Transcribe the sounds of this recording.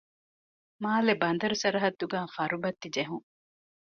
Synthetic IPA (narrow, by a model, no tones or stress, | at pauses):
maːlebɐnd̪ɐɾusɐɾɐɦɐt̪ːuɡaːfɐɾubɐt̪ːid͡ʒeɦuŋ